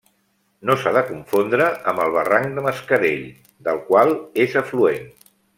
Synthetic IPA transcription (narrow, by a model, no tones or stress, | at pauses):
nosaðəkuɱfond̪ɾəʔəmbəlˠβ̞əraŋd̪əməskəɾeʎ | d̪əlˠkwalˠezəfluen